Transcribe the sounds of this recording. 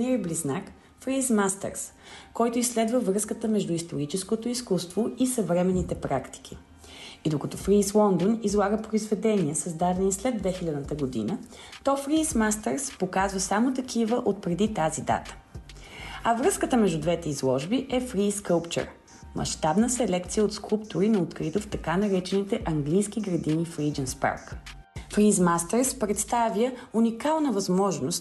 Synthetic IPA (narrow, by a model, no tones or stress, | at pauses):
nɛɾɛblʲiznak | fɾismast̪ɛ̰ɾs | kɔjt̪ʊisːlɛd̪vəvɾɤskət̪əmɛʒd̪uist̪oɾit͡ʃɛskot̪oiskust̪voisəvɾɛmɛnːit̪ɛpɾakt̪i̥k̟i | id̪okɐt̪ɔfɾislˠɔnd̪onizlˠaɡəpɾoizvɛd̪ɛniəsəzd̪ad̪ɛnislɛd̪vɛxilʲad̪nət̪əɡod̪ḭnət̪ɔfɾiːsmast̪ɛɾspokazvəsamot̪ɐk̟ivəʔot̪̚pɾɛd̪it̪azid̪a̰t̪ə̥ | ɐvɾəskət̪əmɛʒd̪ud̪vɛt̪ɛizlˠɔʒbiʔɛfɾiskəʊpt͡ʃɛ̰ɾ | mʔɐ̰ʃt̪abnəsɛlɛkt̪sijəot̪skˠupt̪ʊɾinɐot̪kɾit̪oft̪ɐkanɐɾɛt͡ʃɛnit̪ɛʔɐŋɡlijsk̟iɡɾɐd̪inifɾid͡ʒɛnspa̰ɾk | fɾizmast̪ɛɾspɾɛt̪st̪avjəunikalˠnəvɐzmɔʒnost̪